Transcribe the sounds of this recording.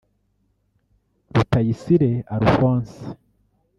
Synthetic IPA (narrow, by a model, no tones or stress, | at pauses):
ɾutajisiɾe̞aɾufwaːnsi̥